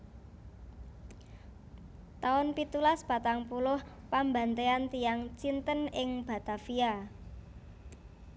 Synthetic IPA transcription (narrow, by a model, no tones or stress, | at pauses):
t̪aʊnpit̪ulaspat̪aŋpulʊh | pamba̤nt̪eant̪ijaŋt͡ʃint̪ənɪŋb̥a̤t̪afia